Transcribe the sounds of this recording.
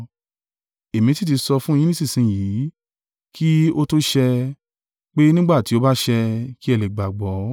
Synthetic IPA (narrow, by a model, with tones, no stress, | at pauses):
e˨mĩ˨˧ti˦t̬i˧sɔ˧fũ˦e˧jĩ˦ĩ˦si˦˨sĩ˨ji˨˦ | kʰi˦o˦to˦ʃɛ˧ | k͡pe˦nĩ˦ɡ͡ba˦˨ti˨o˦ba˦ʃɛ˧ki˦ɛ˦˧le˨ɡ͡ba˨ɡ͡bɔ˨˦